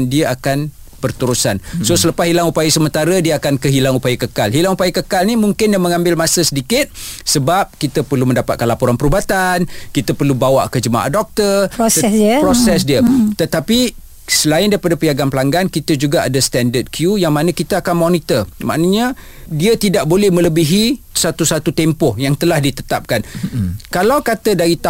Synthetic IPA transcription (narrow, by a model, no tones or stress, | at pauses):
ndiəakan | b̥ərt̪uɾusansosələpasɦilaŋupajasəmə̃nt̪aɾədiəakankəɦilaŋupajəkəkalɦilaŋupajəkəkalnimuŋkɪndəməŋãmbɪlmasəsədikɪt̪̚səbap̚kit̪əpərluməndapat̪̚kanlapuɾanpəɾubat̪ankit̪əpərlubawaʔkəd͡ʒəma̰ʔa̰dɔk̚t̪ərɛspɾosɛs̬diət̪ət̪api | səlaɪndaɾipadapəjaɡanpəlaŋɡankit̪əd͡ʒuɡaʔadəst̪ɛndəd̚kʰjujaŋmanəkit̪aakanmɔnit̪ərma̰ʔnəɲə | diət̪idaʔ̚bolɛhmə̃ləbiɦisat̪usat̪ut̪empɔhjaŋt̪əlahdit̪ə̥t̪ap̚kankalawkat̪ədaɾit̪a